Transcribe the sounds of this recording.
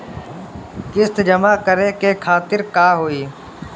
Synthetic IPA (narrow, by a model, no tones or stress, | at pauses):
kɪst̪d͡ʒəmaːkəɾeːkeːkʰaːt̪ɪɾkaːɦoːiː